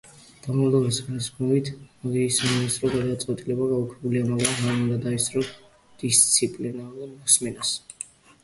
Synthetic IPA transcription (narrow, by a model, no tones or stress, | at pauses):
d̪̥amavd̪ˠɔbɛsɡaskʰmɔvit̪ʰmɔɡ̪iːsaminist̪ʼɾɔɡad̪at̪sʼqʼwɛt̪ʼilɛbaɡaukʰɛbulianɛbaaɾiund̪ad̪aisʼɾɔ | d̪̥ist̪sʰipʼlinaɾumɔsmɛnas